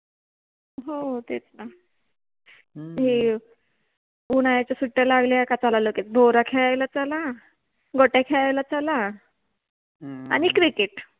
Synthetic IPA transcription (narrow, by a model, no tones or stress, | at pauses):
ɦot̪et͡sna | ɦe | uɽ̃ajat͡ɕasuʈːalaɡlejakat͡salaloket͡sbʱoɾakʰeɭajlat͡sala | ɡɔʈakʰeɭajlat͡sala | a̰nikɾikeʈ